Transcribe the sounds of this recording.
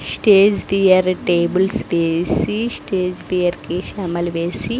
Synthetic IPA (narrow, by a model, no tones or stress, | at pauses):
sʈeːd͡ʒʋijɐɾʈeːbulsʋeːsisʈeːd͡ʒʋijɐɾkiʃɐmɐlʋeːsi